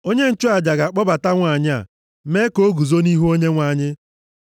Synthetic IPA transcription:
o˦ɲe˦n̩˦t͡ʃʊ˦a˨d͡ʒa˨ɡa˨k͡pɔ˦ba˨ta˦ŋʷa˨ɲɪ˦a̰˨ | me˦ko˦ɡu˨zo˦ni˦ɦu˦o˦ɲe˦ŋʷa˨ɲɪ˦

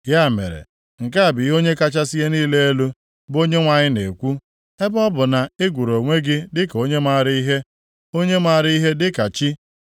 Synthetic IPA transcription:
ja˦˨mḛ˨ɾḛ˨ | ŋ̩˨ka˦a˨bi˨˦o˦ɲe˦ka˦t͡ʃa˦si˦je˦niː˦le˦e˦lu˦ | bo˦ɲe˦ŋʷa˨ɲɪ˦ne˨kʷu˦ | e˦bɔ˦bʊ˨na˨ɪ˦ɡʷu˨ɾo˨ŋʷe˦ɡɪ˦dɪ˦ko˨ɲe˦ma˦˨ɾi˦i˦ɦe˦ | o˦ɲe˦ma˨ɾi˦i˦ɦe˦dɪ˦ka˨t͡ʃi˦

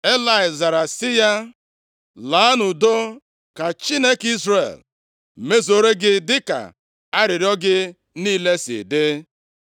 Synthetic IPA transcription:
e˦la˨ɪ˨za˨ɾa˨sɪ˦ja˦ | la˨˦a˦nʊ˨do˦ | ka˨t͡ʃi˦ne˦ki˦zrḛ˨l̩˨ | me˦zo˦ɾe˦ɡɪ˦dɪ˦ka̰˨ | a˦ɾɪ˨ɾɔ˦ɡɪ˦ | niː˦le˦sɪ̰˨dɪ˦

